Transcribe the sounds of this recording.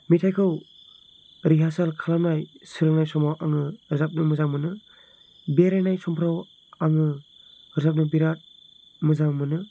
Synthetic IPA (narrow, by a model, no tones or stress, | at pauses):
mitʰajkʰɯw | ɾiɦasalkʰalanajsɯɾɯŋnajsɔmawʔaŋɯɯɾzap̚nɯmɯzaŋmɯnɯ | beɾajnajsɔmpʰɾaw | aŋɯ | ɯɾzap̚nɯbiɾat̚ | mɯzaŋmɯnɯ